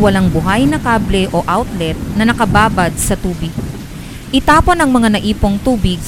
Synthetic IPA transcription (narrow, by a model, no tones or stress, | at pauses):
wɐlaŋbʊɦajnɐkaːblɛʔo̞ʔawt̪lɛt̪̚nɐnɐkɐbaːbɐd̪̚sɐt̪uːbɪɡ̚ | ʔɪt̪aːponɐŋmɐŋanɐʔiːpo̞ŋt̪uːbɪɡ̚